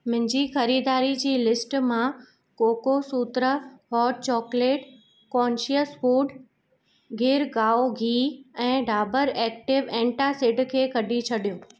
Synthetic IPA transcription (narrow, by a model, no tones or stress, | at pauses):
mɪ̃ɪ̃ɲd͡ʑixɐɾiːd̪aːɾid͡ʑiːlɪsʈmã | koːkosuːt̪ɾəɦɔːʈ̚t͡ɕɔːkleːʈ | kɔːnʃiəsfuːɖ | ɡɪːɾɡaːoɡʱiːɛ̃ːɖʱaːbəɾɛːk̚ʈɪʋẽːɳʈasɪɖkʰeːkɐɗʱit͡ɕʰɐɗijoː